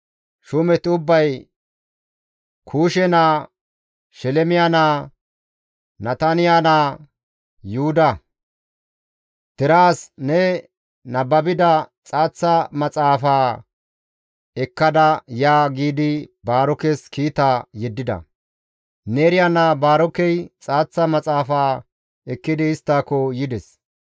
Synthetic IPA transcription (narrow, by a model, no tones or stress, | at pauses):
ʃʊmɛt̪ʊbːɐj | kʰuːʃɛnaː | ʃɛlɛmɪjanaː | nɐt̪ɐnɪjaːnaː | juːʊd̪ɐ | d̪̥ɪɾaːsnɛ | nɐbɐbɪd̪ɐt͡sʼaːt͡sːɐmɐt͡sʼaːfaː | ɛkːɐd̪ɐjaːɡiːd̪ɪbaːɾɔkɛskiːt̪aːjɛd̪ːɪd̪ɐ̰ | neːɾɪjaːnaːbaːɾɔkɛjt͡sʼaːt͡sːɐmɐt͡sʼaːfaː | ɛkːɪd̪ɪːst̪ːaːkːɔjɪd̪ɛs